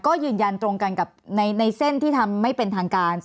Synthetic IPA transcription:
kɔː˥˩jɯː˧nja˧nt̪ɾo˧ŋka˧nka˨˩p̚na˧jna˧jse˥˩nt̪ʰiː˥˩t̪ʰa˧mːa˥˩jpe˧nt̪ʰaː˧ŋkaː˧n

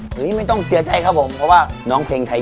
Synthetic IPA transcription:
ɯː˨˦˧ma˥˩jt̪ɔ˥˩ŋsi˨˦ɐt͡ɕa˨˧˩jkʰa˦˥pʰo˨˦mpʰɔ˧˥waː˥˩nɔː˨˥ŋpʰeː˧ŋt̪ʰa˧j

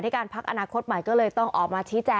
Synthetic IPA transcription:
nʰa˥˩kaː˧npʰa˦˥k̚ʔa̰˧naː˧kʰo˦˥t̪̚ma˨˩jkɔː˥˩lɤː˧jt̪ɔ˥˩ŋʔɔː˨˩k̚maː˧t͡ɕʰiː˦˥t͡ɕɛː˧

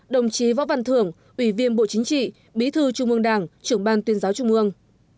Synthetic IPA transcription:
ɗə˨˩wŋ͡mt͡ɕi˨˦vɔ̰˧˥va˧˩nt̪ʰɨ˧˩əŋ | ʔwi˧˩vi˧ənɓo̰˧˨t͡ɕi˨˦ŋt͡ɕḭ˧˨ | ɓi˨˦t̪ʰɨ˧t͡ɕʊ˧ŋ͡mʔɨ˧əŋɗaː˧˩ŋt͡ɕɨ˧˩əŋɓaː˧nt̪wi˨˦ənzaː˨˦wt͡ɕʊ˧ŋ͡mʔɨ˧əŋ

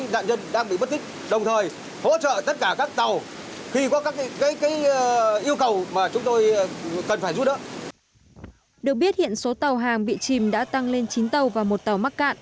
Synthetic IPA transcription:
ɗa̰ː˧˨nzə˧nɗaː˧ŋɓḭ˧˨ɓə˦˥t̚t̪i˦˥k̟̚ɗə˨˩wŋ͡mt̪ʰəː˨˩j | ho̰˧˥t͡ɕə̰˧˨t̪ə˦˥t̚kaː˧˩kaː˦˥k̚t̪a˨˩w | xi˧kɔ˨˦kaː˦˥kkaː˨˦jkaː˨˦jʔi˧əwkə˨˩wmaː˨˩t͡ɕʊ˨˦ŋ͡mt̪o˧jkə˨˩nfaː˧˩jzu˦˥t̚ɗə̰˨˦ | ɗɨ˨˩ək̚ɓi˦˥ət̚hḭ˧˨ənso˨˦t̪a˨˩wɦaː˨˩ŋɓḭ˧˨t͡ɕi˨˩mɗa̰ː˧˥t̪a˧ŋle˧nt͡ɕi˨˦nt̪ə˨˩wvaː˨˩mo˨˩t̚t̪a˨˩wma˦˥t̚ka̰ː˧˨nʔ

